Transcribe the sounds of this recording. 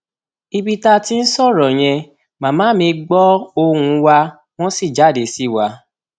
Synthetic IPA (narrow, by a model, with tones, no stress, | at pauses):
i˧bi˧ta˧ti˦n̩˦sɔ˦˨ɾɔ˨j̃ɛ̃˧ | mãː˨mãː˨˦mĩ˧ɡ͡bɔ˦o˧hũ˧˦wa˧ | w̃ɔ̃˦si˦˨d͡ʒa˨˦˨de˨˦si˦˨wa˨˦